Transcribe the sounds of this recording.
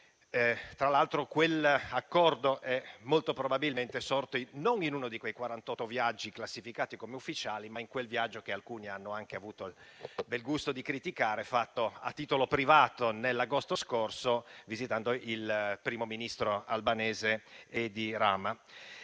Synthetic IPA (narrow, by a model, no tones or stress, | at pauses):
t̪ɾalalt̪ɾokwelakːɔrd̪oʔɛmːolt̪opɾobabilment̪esort̪oinoninuːnod̪ikwejkwaɾant̪ɔt̪ːovjad͡ʒːiklasːifikaːt̪ikomeufːit͡ʃaːlimaiŋkwelvjad͡ʒːokealkuːnianːoaŋkeavuːt̪obɛlɡust̪od̪ikɾit̪ikaːɾefat̪ːoa̰t̪ːiːt̪olopɾivaːt̪onelːaɡost̪oskorsovizit̪and̪oilpɾiːmominist̪ɾoalbaneːzeed̪iɾaːma